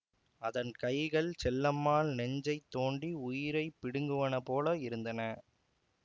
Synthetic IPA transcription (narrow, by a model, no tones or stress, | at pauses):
ɐðɐnkɐɪɣɐɭt͡ʃɛlːɐmːaːlnɛɲd͡ʒɐɪt̪ːoːɳɖiʊjɪɾɐɪpːɪɽɯŋɡɯʋɐnɐpoːlɐɪɾɯnd̪ɐnɐ